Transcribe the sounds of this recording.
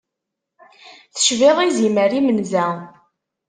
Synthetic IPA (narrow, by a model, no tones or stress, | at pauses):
θə̥ʃviʁiziməɾimənzæ